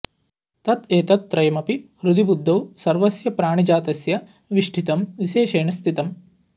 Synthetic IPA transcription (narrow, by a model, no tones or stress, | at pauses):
t̪ɐt̪eːt̪ɐt̪ːɾɐjɐmɐpihɾud̪ibud̪ʱːɐwsɐɾʋɐsjɐpɾaːɳid͡ʒaːt̪ɐsjɐ | ʋiʂʈʰit̪ɐmʋiʃeːʃeːɳɐst̪ʰit̪ɐm